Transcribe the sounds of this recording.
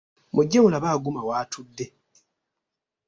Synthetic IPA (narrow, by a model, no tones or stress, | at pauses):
muɟːawulaβaːɡumawaːtʰud̪ːe̞